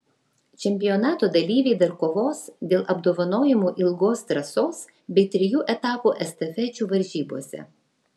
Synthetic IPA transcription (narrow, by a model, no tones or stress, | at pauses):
t͡ʃʲɛmʲpʲɪjɔːnɑːt̪oːd̪ɐlʲiːʋʲɛɪd̪ɐɾkoːʋoːsd̪ʲeːlˠʔɐbd̪oːʋɐnoːjɪmuːʔɪlˠɡoːst̪ɾɐsoːs | bʲɛɪt̪ʲɾʲɪjuːʔɛt̪ɑːpuːʔɛst̪ɐfʲɛt͡ʃʲuːʋɐɾʲʒʲiːboːsʲɛ̰